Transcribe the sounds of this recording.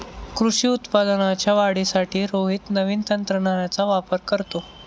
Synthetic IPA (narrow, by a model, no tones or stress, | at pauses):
kɾuʂiːut̪pad̪ənat͡ɕjaʋaɽisaʈiːɾoɦiːt̪nəʋiːnt̪ənt̪ɾəɳaɾjat͡saʋapəɾkəɾt̪o